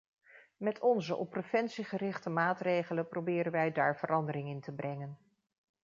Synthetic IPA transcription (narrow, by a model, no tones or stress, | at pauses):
mɛtʰɔnzəʔɔ̰pːrefɛnsiχərɪχtəmaːtrejχələprowbɪːɾənʋɛjdaːɹvərʔɑndərɪŋɪntəbrɛŋən